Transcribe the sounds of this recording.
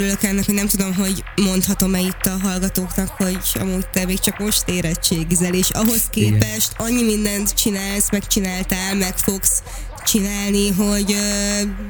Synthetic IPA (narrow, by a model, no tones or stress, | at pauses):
øɾylø̞kɛnːɛkhoɟnɛmt̪ud̪o̞mɦo̞ɟmo̞nt̪hɒt̪o̞mɛjit̪ːɒɦɒlɡɒt̪oːknɒkho̞ɟɒ̰muːtt̪ɛmeːkt͡ʃɒkmo̞ʃt̪eːɾɛt͡ʃːeːɡzɛleːʃɒɦo̞skeːpɛʃt̪ɒɲːimind̪ɛnt̪t͡ʃinaːlsmɛkt͡ʃinaːlt̪aːlmɛkfo̞ɡs | t͡ʃinaːlniɦo̞ɟ